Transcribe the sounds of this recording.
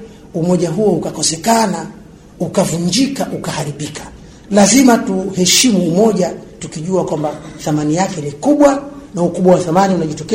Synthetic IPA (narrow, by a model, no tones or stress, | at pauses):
umɔʄaɦuɔukakɔsɛkana | ukavuɲd͡ʒikaʔukahaɾiɓikḁ | lazimatuhɛʃimuːmɔʄatukiʄuakwambaθamanijakɛnikuɓwanaukuɓwawaθamaniunaʄitɔkɛ